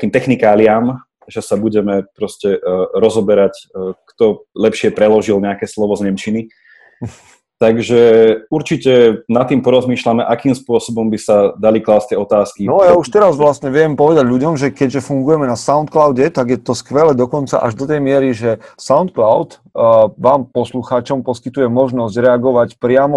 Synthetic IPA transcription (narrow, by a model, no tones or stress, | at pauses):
kiːmt̪ɛxnikaːliam | ʒɛsabuɟɛmɛpɾɔscɛɾɔzɦɔbɛɾackt̪ɔlɛpʃɪɛpɾɛlɔʒilɲɛakɛːslɔʋɔzɲɛmt͡ʃini | t̪aɡʒɛuɾt͡ʃicɛnat̪ːiːmpɔɾɔzmiːʃlamɛʔakiːmspʊɔsɔbɔmbisad̪aliklaːst̪ɛɔt̪aːskinɔajauʃt̪ɛɾazʋlasɲɛʋɛmpɔʋɛd̪aɟlʎuɟɔmʒɛkɛɟʒɛfuŋɡujɛmɛnasaʊnt̪̚klaʊɟɛt̪aɡjɛt̪ɔskʋɛlɛd̪ɔkɔnt͡sa̰ʔa̰ʒd̪ɔt̪ɛjmɪɛɾiʒɛsaʊnt̪̚klaʊt̪ | ʋaːmpɔsluxaːt͡ʃɔmpɔskit̪ujɛmɔʒnɔzɟɾɛaɡɔʋacpɾɪamɔ